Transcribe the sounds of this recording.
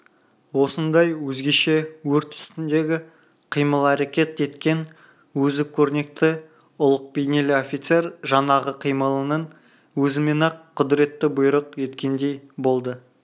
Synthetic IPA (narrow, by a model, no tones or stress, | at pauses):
wo̞sənd̪ɑjwɵzɡʲe̞ʃe̞wɵɾt̪ʰʏ̥st̪ɪnd̪e̞ɡʲɪ | qʰijməlˠæɾekʲe̞t̪e̞t̪kʲe̞n | wɵzɪp̚kʲʰɵɾne̞k̚t̪ɪ | ʊlˠəq̚bejne̞lɪofʲit̪se̞ɾʒɑnɑʁəqʰijməlˠənən | wɵzɪmenɑqʰːʊd̪ɪɾe̞t̪ːɪbʊjɾəqje̞t̪kʲe̞nd̪e̞jbo̞lˠd̪ə